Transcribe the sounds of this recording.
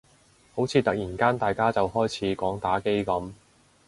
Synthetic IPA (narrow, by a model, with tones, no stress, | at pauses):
ho˨˥wt͡sʰiː˨˧t̪ɐ˨k̚jiː˨˩nkaː˥nt̪aː˨jkaː˥t͡sɐ˨whɔː˥jt͡sʰiː˨˥kɔː˨˥ŋt̪aː˨˥ke˥jkɐ˨˥m